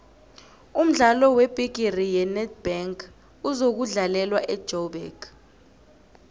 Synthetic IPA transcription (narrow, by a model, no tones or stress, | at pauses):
um̩ɮalɔweb̥ʱiɡ̥ʱirijɛnɛd̚b̥aŋkʰ | uzok̬uɮalɛlwaʔɛd̥ʒ̥ʱɔɓɛ̰ːk